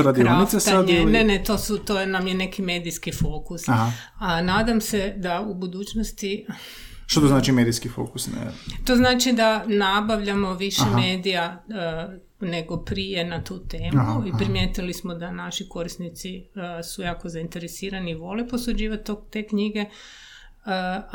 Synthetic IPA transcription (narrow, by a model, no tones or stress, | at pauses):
ɾadk̪iɾanisest̪enenet̪o̞sut̪onamjene̞kime̞ːd̪ijskifo̞kusaɦ | anaːd̪amse̞d̪aubud̪uːt͡ɕnost̪i | ʃt̪ot̪oznaːt͡ʃimeːd̪ijskifo̰kusnɛ̰t̪o̞znaːt͡ʃid̪anabaʋʎamoʋiʃeme̞ːd̪ija | ne̞ɡo̞pɾijenat̪uːt̪e̞ːmuipɾimjeːt̪ilismod̪anaʃiko̞ɾisnit̪sisujaːko̞zaint̪e̞ɾesiːɾaniːʋo̞lepo̞sud͡ʑiːʋat̪ːot̪ekɲiɡe̞